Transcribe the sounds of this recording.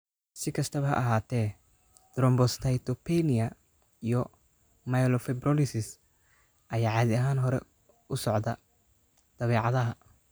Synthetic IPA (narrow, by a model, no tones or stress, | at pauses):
sɪkʰɐst̪ʰɐβɐɦɐ̰ʔɐɦaːt̪ʰɛː | d̪̥ɾɔmbɔst̪ʰɐjt̪ʰɔpʰɛnɪɐ | ijɔ | majlɔfɛbrɔlɪsɪs | ʔɐjaːʕɑːðɪɐɦaːnɦɔɾɛ̰ | ʊsɔʕd̪ɐ | d̪̥ɐβɛːʕɑðɐɦɐ